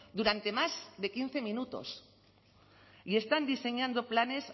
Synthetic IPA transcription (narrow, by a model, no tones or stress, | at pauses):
d̪uɾant̪e̞mazðekin̟θemĩnut̪o̞̰s | ie̞st̪and̪ise̞ɲãnd̪oplane̞s